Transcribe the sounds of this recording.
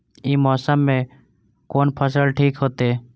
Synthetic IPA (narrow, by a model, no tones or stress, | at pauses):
iːmɔːsəmːẽ | koːnpʰəs̬əlʈʰiːkɦoːt̪eː